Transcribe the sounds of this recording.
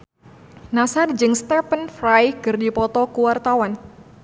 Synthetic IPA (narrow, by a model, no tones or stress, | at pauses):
nasard͡ʒɨŋst̪ɛpənfrajɡɨrdipɔt̪ɔkuwart̪awan